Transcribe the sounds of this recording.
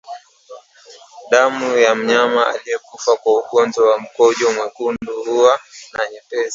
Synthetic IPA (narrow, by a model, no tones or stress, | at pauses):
ɗamujam̩ɲamaa̰lijɛkufakwaukɔnzɔwam̩kɔʄɔmwɛkunduhuanaɲɛpɛza